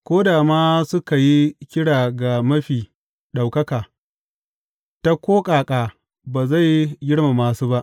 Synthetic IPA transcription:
kʷoː˦daː˨maː˦sʊ˦ka˨ji˦kʲɪ˦ɽaː˨ɡa˨mɐ˦ɸiː˨ | ɗa˨wkɐ˦kaː˨ | ta˦kʷoː˦kʼaː˨kʼaː˨ | baː˨za˦˨jɡʲɪ˦ɽma˨maː˨suː˦ba˦ʔ

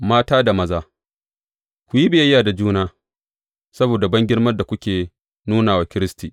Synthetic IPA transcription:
maː˦taː˦da˨mɐ˦zaː˦ | kʷu˨ji˦bɪ˨jɐ˦jːaː˨da˨d͡ʒuː˦naː˦ | sɐ˦boː˨da˨bɐ˦ŋɡʲɪ˦ɽmɐ˦rda˨kʷʊ˦kʲeː˨ | nuː˦naː˨waː˨kʲɪ˦ɾɪ˦stiː˨

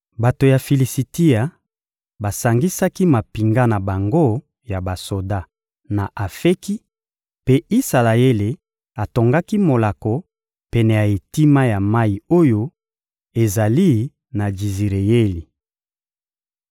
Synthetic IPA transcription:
ba˨to˨ja˨fi˨li˨si˨ti˦a˨ | ba˨sa˨ŋɡi˦sa˦ki˦ma˨pi˨ŋɡa˦na˨ba˨ŋɡo˦ | ja˨ba˨so˨da˦ | na˨ʔa˨fe˦ki˦ | pe˦i˦sa˨la˨e˦le˨ | a˨to˨ŋɡa˦ki˦mo˨la˨ko˨ | pɛ˨nɛ˨ja˨e˨ti˦ma˦ja˨ma˦ji˨o˦jo˦ | e˨za˨li˦ | na˨d͡ʒi˨zi˨ʁe˨je˦li˨

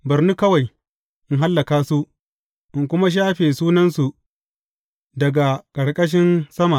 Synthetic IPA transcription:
bɐ˨ɾni˦kɐ˦wa˨j | ʔɪ˦ŋɦa˦lːɐ˨kaː˦su˦ʔ | ʔɪ˨ŋkʷʊ˦ma˦ʃ̬aː˦ɸeː˨suː˦nɐ˦nsu˨ | dɐ˨ɡa˨kʼɐ˨ɽkʼɐ˦ʃ̬ɪ˦nsɐ˦ma˨

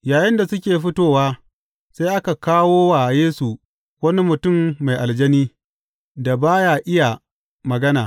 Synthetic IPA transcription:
jaː˨jɪ˦nda˨sʊ˦kʲeː˨ɸɪ˦toː˦waː˦ | sa˦jʔa˦ka˨kaː˦woː˦waː˨jeː˦su˨ | wɐ˦ni˦mʊ˨tʊ˦˨mːa˨jʔa˨ld͡ʒɐ˦niː˦ | da˨baː˦ja˨ʔɪ˦ja˨ | mɐ˨ɡɐ˦naː˨

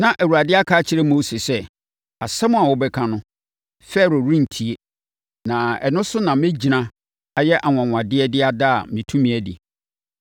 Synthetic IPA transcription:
nã˨ʔæ˨wu˨ɾa˨dɪ˦a˦kʰaː˦t͡ɕʰɪ˨˦ɾɛ˦mo˦se˨sɛ˦ | a˨sɛ˦mʊ̃˦a˨wɔ˦bɛ˦kʰã˦nʊ̃˦ | fɛ˦˨ɾo˨ɾĩ˦n̩˨tʰi˨e˦ | nã˨ɛ̰˨nʊ̃˦sʊ˦nã˨mɪ̃˦d͡ʑi˨nã˦ | a˨jɛ˦ʔa˨ŋʷã˨ŋʷ˨ã˨dɪ˦ɛ˦dɪ˦a˦da˦a˨m˨nĩ˨tʰũ˦mĩ˨æ˨dɪ̰˨

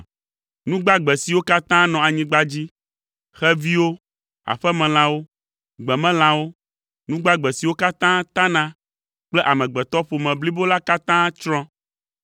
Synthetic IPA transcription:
nũ˦ɡ͡ba˦ɡ͡bɛ˨si˨wo˦ka˦t̪ã˦nɔ̃˨a˨ɲĩ˦ɡ͡ba˦d͡ʑi˦ | xɛ˦vi˦wo˦ | a̰˨ɸɛ˦mɛ̃˨l̃ã˨wo˦ | ɡ͡bɛ˨mɛ̃˦l̃ã˨wo˦ | nũ˦ɡ͡ba˦ɡ͡bɛ˨si˨wo˦ka˦t̪ã˦t̪ã˦nã˦ | k͡plɛ˦ʔa˨mɛ̃˨ɡ͡bɛ˨t̪ɔ˦ɸo˨mɛ̃˨bli˦bo˦la˦ka˦t̪ã˦t͡ʃɾɔ̃˦

